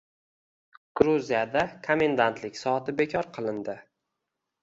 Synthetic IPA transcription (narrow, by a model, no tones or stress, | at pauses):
ɡ̥ɾuzijad̪akʰome̞nd̪ant̪ʰlɪkʲsɒat̪ʰɪbe̞kʰʲɒɾqʰɨlˠɪnd̪ɪ